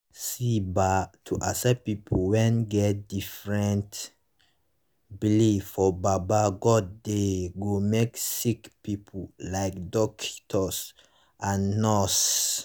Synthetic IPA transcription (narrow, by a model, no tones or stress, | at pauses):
sibatʰuʔasɛpipʰowɛ̃nɡɛt̚difɹɛ̃nt | biliffɔbabaɡɔd̚deɡomeksikpipʰolaɪkdɔkʰi̥tʰɔs | ãnːɔs